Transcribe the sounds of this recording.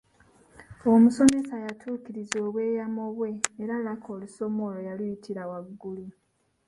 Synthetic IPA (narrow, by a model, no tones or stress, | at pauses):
o̞muso̞me̞sajatʰuːkiɾizoːβwe̞ːjamoβwe̞ːɾalakʰo̞luso̞mo̞lojalwjitʰiɾawaɡːuli